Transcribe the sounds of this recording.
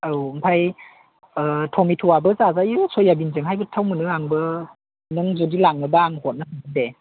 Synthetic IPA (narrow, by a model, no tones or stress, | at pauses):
ɯwmpʰaj | tʰɔmitʰuwabɯzazajɯsojːabinzɯŋɦajbɯtʰawmɯnɯŋaŋbɯ | nɯŋzodilaŋnɯbaaŋhɔt̚nasʰɯŋɯde